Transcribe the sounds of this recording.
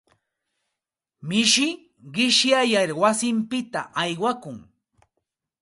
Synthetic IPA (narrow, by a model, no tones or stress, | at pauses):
mɪʃɪ | ɢɪʃjajaɾwasɪmpɪt̪a̰ʔajwakʊŋ